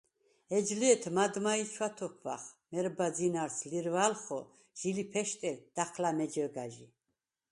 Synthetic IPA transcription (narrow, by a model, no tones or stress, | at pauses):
ɛd͡ʒliɛt̪ʰmad̪mait͡ʃʰwat̪ʰɔkʰva̰χmɛɾbad͡zinaɾsliɾvalχɔ | ʒ̥ilipʰɛʃt̪ʼɛd̪̥aχʰlamɛd͡ʒɛɡaʒi